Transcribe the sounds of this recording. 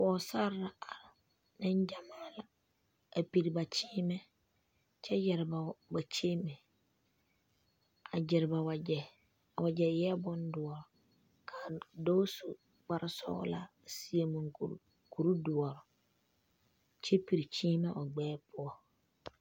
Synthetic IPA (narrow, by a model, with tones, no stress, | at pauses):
wɔ˨˦sa˦ɾa˨a˨ɾɪ˨ | nɪ˦nd͡ʒa˨maː˦la˨ | a˨pi˨ɾi˨ba˨t͡ʃiː˦mɛ˦ | t͡ʃɛ˦jɛ˨ɾba˨ba˨t͡ʃe˦mɛ˨ | a˨d͡ʒɪ˨ɾɪ˨ba˨wa˨ɛ˨ | a˨wa˨d͡ʒɛ˨jɛ˦bɔ˦ndʊ˨ɔ˨ɾɔ˨ | kʰa˨do˦su˨ | ɡ͡ba˦ɾɪ˦sɔ̰˦ɣɔ̰˦la̰˨ | si˨˦e˨mũ˨ŋ˨ | ku˨ɾu˦dʊ˨ɔ˨ɾɔ˨ | t͡ʃɛ˦pi˨ɾi˨t͡ʃiː˦mɛ˦ʔɔ˨ɡ͡bɛː˦pʊ˦ɔ˦